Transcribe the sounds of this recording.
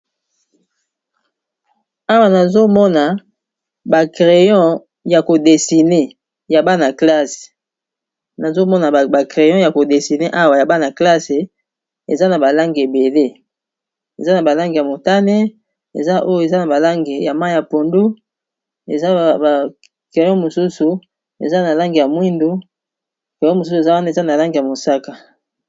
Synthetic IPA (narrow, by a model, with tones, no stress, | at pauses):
a˦wa˨na˨zo˦mɔ˦na˨ | ba˨kʁe˨jɔ̃˦ | ja˨ko˨de˨si˨ne˦ | ja˨ba˦na˨kla˦se̥˨ | na˨zo˦mɔ˦na˨a˨kʁe˨jɔ̃˦ja˨ko˨de˨si˨ne˦ʔa˦wa˨ja˨ba˦na˨kla˦se˨ | e˨za˦na˨ba˨la˦ŋɡe˨be˨le˦ | ḛ˨za˦na˨ba˨la˦ŋɡe˨ja˨mo˨ta˦ne˦ | ḛ˨za˦ʔo˦jo˦˨e˨za˦na˨ba˨la˦ŋɡe˨ja˨ma˦˨ja˨po˨ndo˦ | e˨za˦a˨ | ke˨jɔ̃˦mo˨su˦su˨ | ḛ˨za˦na˨la˦ŋɡe˨ja˨mwi˦ndo˦ | ke˨jɔ̃˦mo˨s̬u˦su˨e˨za˦wa˦na˨e˨za˦na˨la˦ŋɡe˨ja˨mo˨sa˦ka˨